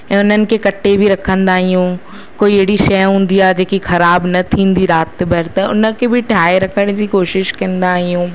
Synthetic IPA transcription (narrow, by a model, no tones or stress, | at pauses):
ɛ̃ːʊn̤ənɪ̆kʰekɐʈːebʱɪɾɐkʰə̃nd̪aːɦijũː | koːiɐɦɪɽiʃɐjɦũːn̆d̪iaːd͡ʑeːkixɐɾaːbnɐt̪ʰĩːn̆d̪iɾaːt̪bʱɐɾt̪ɐʊnə̆kʰebʱɪʈʰaːeɾɐkʰəɽ̃d͡ʑiːkoːʃɪʃkɐ̃nd̪aːɦijũː